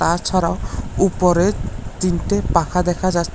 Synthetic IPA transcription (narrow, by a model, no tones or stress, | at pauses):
t̪at͡ʃʰɔɾaʊupɔɾet͡ʃintepakʰad̪ɛkʰad͡ʒas